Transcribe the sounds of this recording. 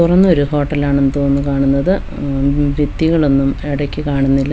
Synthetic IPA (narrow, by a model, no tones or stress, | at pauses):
urɐnːo̞ɾuho̞ːʈːɐlaːɳenːɨt̪o̞ːnːukaːɳunːɐðɨ | ʋit̪ːiɣɐɭo̞nːumeɽɐkʲːikaːɳunːilːɐ